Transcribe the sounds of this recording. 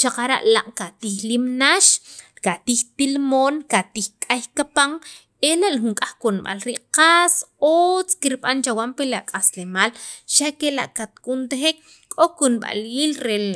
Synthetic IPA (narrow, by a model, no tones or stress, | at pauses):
t͡ʃaqaɾa̰ʔlaʔkat̪ixlimnaʃkat̪ixt̪ilmoːnkat̪ixkʼajkapaŋ | elaʔlxuŋkʼaχkunɓa̰lɾiʔqasot͡skiɾɓant͡ʃawampelaʔkʼaslemaːlʃakelaʔkat̪kunt̪exek | kʼokunɓa̰liːlɾe